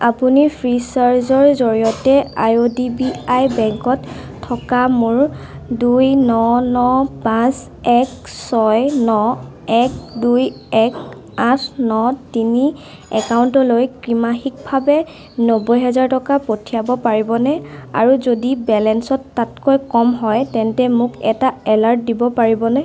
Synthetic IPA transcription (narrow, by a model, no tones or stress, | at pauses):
apunipʰɹisaɹzɔɹzoɹijɔtɛajodibiajbɛŋkɔtʰː | ɔkamʊɹ | dujnɔnɔpãs | ɛksɔjnɔ | ɛk̚duj | ɛk | ãtʰnɔtini | ɛkawntɔlojkɹimaxik̚bʱabɛ | nobɔjɦɛzaɹtɔkapotʰijabɔpaɹibɔnɛa̰ɹuzodibɛlɛnsɔtːatkojkɔmɦɔjtɛntɛmʊkɛtaɛlaɹt̚dibɔpaɹibɔnɛ